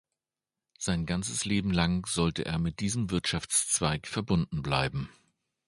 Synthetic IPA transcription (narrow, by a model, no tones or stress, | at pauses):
z̥aɪnɡant͡səsleːbm̩laŋz̥ɔltəʔḛːɐmɪt̚d̥iːzəmvɪɐtʃaft͡st͡sv̥aɪkfɛɐbʊndn̩bla̰ɪbm̩